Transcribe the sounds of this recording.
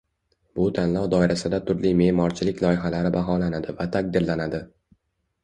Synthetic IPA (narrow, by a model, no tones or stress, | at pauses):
b̥ʊt̪ʰanlˠɒwd̪ɒɪɾasɪd̪at̪ʰʊɾlime̞mɒɾt͡ʃʰɪlɪkʲlˠɒjɪɦalaɾɪbaɦɒlanad̪ɪvat̪ʰak̚d̪ɪɾlanad̪ɪ